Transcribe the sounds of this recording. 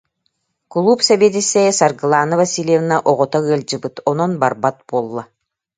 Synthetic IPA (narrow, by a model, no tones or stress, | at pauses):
klˠupsɛbiɛt̪̬isːɛsaɾɡɯlˠaːnɯvasʲilʲjɛvnaʔɔʁɔt̪aɯɐlʲd͡ʑɯbɯt̪ɔnɔnbaɾbat̪̚b̥uɔlˠːa